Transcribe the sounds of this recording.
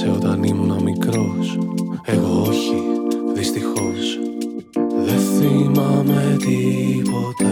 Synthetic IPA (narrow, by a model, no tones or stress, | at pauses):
seot̪ɐnimunɐmikɾo̞se̞ɣooçiðist̪ixo̞s | ðeθimɐme̞t̪ipo̞t̪e